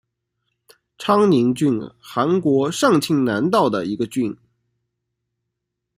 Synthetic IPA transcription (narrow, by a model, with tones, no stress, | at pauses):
ʈ͡ʂʰɑ˥ŋni˧˥ŋt͡ɕy˥˧nxa˧˥nkwɔ˧˥ʂɑ˥˩ŋt͡ɕʰi˥ŋna˧˥nt̪ɑ˥˩ʊd̪ə̰˩i˧˥ɡə˧t͡ɕy˥˩n